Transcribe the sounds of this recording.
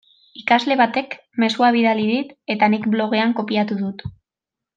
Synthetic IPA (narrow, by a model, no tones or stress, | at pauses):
ikazle̞βat̪e̞k | me̞suaβ̞iðaliðit̪e̞t̪anikblo̞ɣ̞e̞aŋko̞piat̪uðut̪